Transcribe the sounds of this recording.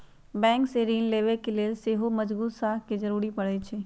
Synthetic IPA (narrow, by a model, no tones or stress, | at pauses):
bɛ̃ːŋkseɾiːnleːʋekeleːlseːɦomɐd͡ʒbuːt̪saːɦkizɐɾuːɾipɐɽet͡ʃʰeː